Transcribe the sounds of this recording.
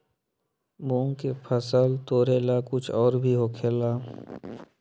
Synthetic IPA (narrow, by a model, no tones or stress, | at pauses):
bõːŋkepʰəsəlt̪oːɾeːlakʊt͡ʃʰɔːɾbʱiɦokʰelaː